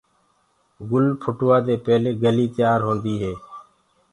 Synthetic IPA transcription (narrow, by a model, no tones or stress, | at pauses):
ɡʊlpʰʊʈʋaːd̪eːpɛːleːɡəliːt̪ɪjaːɾɦoːnd̪iːɦeː